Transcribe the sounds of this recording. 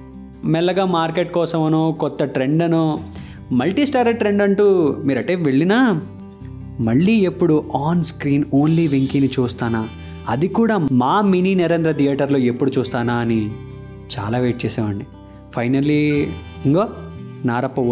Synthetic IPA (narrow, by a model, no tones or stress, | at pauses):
mɛlːɐɡaːmaːɾkeʈ̚kɔːsɐmɐnoːkɔt̪ːɐʈɾe̞ɳɖɐnoː | mɐlʈiːsʈaːɾɐʈɾe̞ɳɖɐɳʈuːmiːɾɐʈe̞ːʋeɭːinaː | mɐɭːiːe̞pːuɽuʔaːnskɾiːnoːnliːʋiŋkiŋnit͡ʃuːst̪aːnaː | ɐd̪ikuːɽaːmaːminiːneɾend̪ɾɐt̪ʰijaːʈɐɾlo̞ːe̞pːuɽut͡ʃuːst̪aːnaːɐni | t͡ʃa̰ːlaːʋeːʈ̚t͡ʃeːsɛːʋɐɳɖi | pʰɐjnɐlːiiŋɡoːnaːɾɐpːɐ